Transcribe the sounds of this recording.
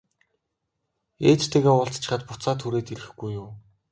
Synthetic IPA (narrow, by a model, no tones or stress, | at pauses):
eːt͡ɕt̪ʰeɣeːŋʊɬt͡st͡ɕɪ̆χə̆t̪̚pʊt͡saːt̪ʰuɾeːt̪iɮɘ̆xɡujːʊm